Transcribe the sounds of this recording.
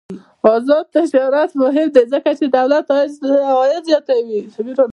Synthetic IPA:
ɑzɔd̪̚t̪ad͡ʒɑɾat̪mʊɦɪmd̪ezəkat͡ʃed̪awlat̪ː | jɪzjɑt̪awixabiɾon

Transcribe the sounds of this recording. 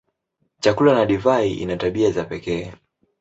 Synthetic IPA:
t͡ʃakulanaɗivaiʔḭnataɓiazapɛkɛː

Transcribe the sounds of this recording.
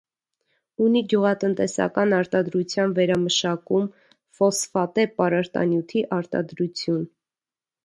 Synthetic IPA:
uniɡjuʁɑt̪ənt̪ɛsɑ̰kɑnɑɾt̪ɑd̪ɾut͡sʰjɑnvɛɾɑməʃɑkum | fɔsfɑt̪ɛpɑɾɑɾt̪ɑ̰njut̪ʰiʔɑɾt̪ɑ̰d̪ɾut͡sʰjun

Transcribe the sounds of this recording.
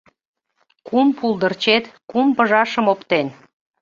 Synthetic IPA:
kumpulˠd̪ərt͡ɕet̪kumpəʒɑʃəmopt̪en

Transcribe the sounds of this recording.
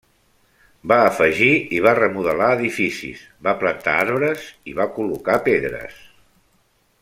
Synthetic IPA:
baəfəʒiiβarəmuðəlaəðifisḭs | βaplənt̪a̰aɾβɾəziβakulukapeðɾə̰s

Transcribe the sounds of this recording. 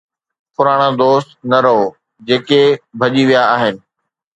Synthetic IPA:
pʊɾaːɽ̃ad̪oːst̪nɐɾɐɦoː | d͡ʑeːkebʱɐʄiʋijaaːɦɪnɪ̆

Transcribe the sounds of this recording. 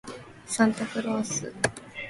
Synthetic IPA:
sãnt̪akɯ̟ɾoːsɨ̰

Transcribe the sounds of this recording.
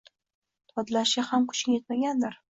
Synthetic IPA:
t̪ʰɒd̪laʃɪhamkʰʊ̥t͡ʃɡʲaje̞t̪maɡʲand̪ɪɾ

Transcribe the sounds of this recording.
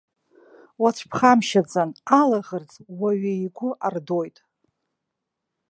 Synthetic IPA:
waʈ͡ʂʷʰpʰχamʃad͡zanalaʁərd͡zʼwaɥeiɡʷʊʔardojtʼ

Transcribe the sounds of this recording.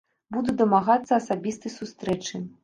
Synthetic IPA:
bud̪ud̪ɐmaɣat̪sːɐːsabʲist̪ɨsust̪ɾɛt͡ʂɨ

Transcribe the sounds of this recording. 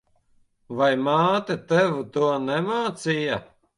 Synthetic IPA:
vajmaːt̪ɛt̪ɛvut̪uɔnɛmaːt̪sija

